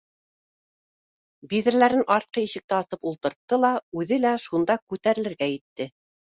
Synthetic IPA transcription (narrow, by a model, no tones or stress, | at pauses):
biðɘ̆ɾlæɾɘnʔɑɾt̪̚qɤjiɕɘ̆k̚t̪æɑθɤpulˠt̪ɤ̆ɾt̪ːɤlˠɑʉðɘlæʃund̪ɑkʉt̪æɾɘ̆lɘ̆ɾɡæjɘ̆t̪ːɘ